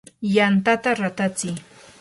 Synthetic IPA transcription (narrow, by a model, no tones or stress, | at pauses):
jant̪at̪aɾat̪at͡sɪj